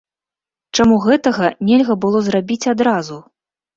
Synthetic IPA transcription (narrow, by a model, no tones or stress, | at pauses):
t͡ʂamuɣɛt̪ɐɣɐnʲɛlʲɣɐbɨlˠɔzrabʲit͡sʲad̪ɾazu